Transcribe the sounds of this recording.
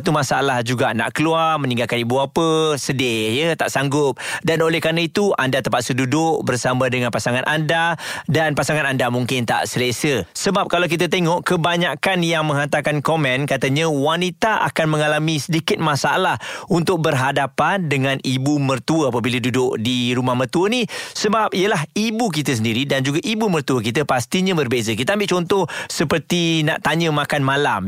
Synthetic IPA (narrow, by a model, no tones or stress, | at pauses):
t̪umasaalahd͡ʒuɡana̰ʔkəluarmənĩŋɡalkanibuapəsədejət̪aʔsaŋɡʊp̚danolɛhkanait̪uandat̪əmpat̪sədudʊʔbərsamãdəŋanpasaŋanʔandadanpasaŋanandamuŋkɪnt̪a̰ʔsəlesəsəbap̚kalawkit̪̬at̪eŋɔʔkəbaɲakanjaŋmə̃ŋɦant̪akankomɛ̃nkat̪əɲə̃wanit̪aʔa̰kanmə̃ŋalamĩsədikɪt̪̚masaa̰lahunt̪ʊk̚bərɦadapandəŋãnibumərt̪uəapəbiladudʊʔdiɾumahmərt̪uənisəbap̚ijəlaɦibuk̬it̪əs̬əndiɾidand͡ʒuɡaʔibumərt̪uwəkit̪əpast̪iɲə̃bərbezəkit̪əambɪʔt͡ʃɔnt̪ɔhsəpərt̪ina̰ʔt̪aɲə̃makanmalam